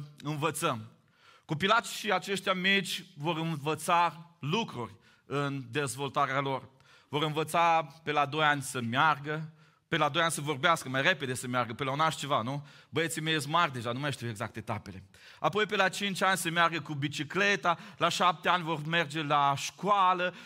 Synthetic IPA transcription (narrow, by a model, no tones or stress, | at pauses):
ɨnvət̪səm | kopilat̪sʃiat͡ʃe̞ʃt̪jamit͡ʃʲvo̞ɾɨnvət̪salukɾurʲ | ɨnd̪e̞zvo̞lt̪aɾealo̞r | vo̞ɾɨnvət̪sapelad̪o̞janʲsəmjarɡə | pelad̪o̞janʲsəvo̞rbeaskəmajre̞ped̪e̞səmjarɡəpelaunaʃt͡ʃe̞vanu | bəjet̪simeesmarʲd̪e̞ʒanumajʃ̬t̪iweɡzak̚t̪et̪ape̞le̞ | apo̞jpelat͡ʃint͡ʃʲanʲsəmjarɡəkubit͡ʃikle̞t̪alaʃap̚t̪eanʲvo̞rme̞rd͡ʒe̞laʃkwalə